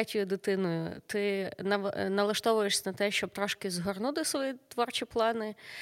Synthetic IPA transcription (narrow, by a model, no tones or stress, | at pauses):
ɛtʲʊjʊd̪ɪt̪ɪnɔjʊ̰t̪ɪnɐnɐlˠɐʃt̪ɔʋʊjeʂsʲɐnɐt̪ɛʃt͡ʃɔb̚t̪ɾɔʃkɪzɦɔrnut̪ɪsʋɔjit̪ʋɔrt͡ʃʲiplˠɑnɪ